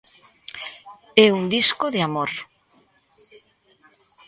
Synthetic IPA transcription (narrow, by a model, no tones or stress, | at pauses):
ɛuŋd̪iskoðeamoɾ